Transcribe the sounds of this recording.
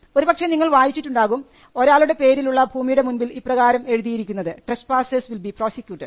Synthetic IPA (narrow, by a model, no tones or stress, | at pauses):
o̞ɾubɐkʂeniŋːɐɭʋaːjit͡ɕːitːuɳɖaːɣum | o̞ɾaːɭuɽe̞pe̞ːɾiluɭːɐbʱuːmijuɽe̞munbiliprɐɣaːɾɐme̞ɻuðijiɾikʲːunːɐðɨʈrespaːsesʋilbipro̞ːsikʲjuːʈːeɖ